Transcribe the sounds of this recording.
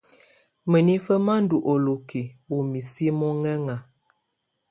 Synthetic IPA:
mə˨ni˦fə˦ma˦n̩˦du˨ʔo˨lo˨ki˨wo˨mi˨si˦mɔ˦ŋɛ˦ŋa˨

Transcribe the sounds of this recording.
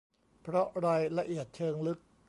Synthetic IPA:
pʰɾɔ˦˥ɾaː˧jɾa˧ʔi˨˩ət̪̚t͡ɕʰɤː˧ŋlɯ˦˥k̚

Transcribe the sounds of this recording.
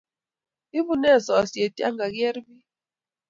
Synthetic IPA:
i˦βu˦nɛ˦˨sɔ˨si˨e˨ti˦a̰˦ŋɡa˨kjɛ˦ɾbi˦

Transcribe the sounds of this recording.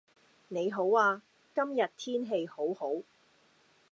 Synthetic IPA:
ne˨˧jɦo˨˥waː˧ | kɐ˥mjɐ˨t̚t̪ʰiː˥nɦe˧jho˨˥who˨˥w

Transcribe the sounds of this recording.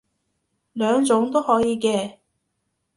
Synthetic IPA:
lœː˨˧ŋt͡sʊ˨˥ŋt̪o˥whɔː˨˥jiː˨˧˥kɛː˧

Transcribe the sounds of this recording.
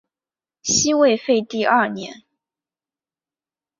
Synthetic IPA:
ɕi˥we˥˧ɪfe˥˧ɪt̪i˥˧ɐ˞˥˩njɛ̰˧˥n

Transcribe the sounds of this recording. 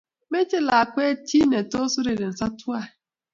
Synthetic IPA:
me˦t͡ʃe˦la˨a˨kʷe˦ti˦ne˨to˦su˦ɾe˨ɾe˨n̩˨sa˦tu˦a˦˨

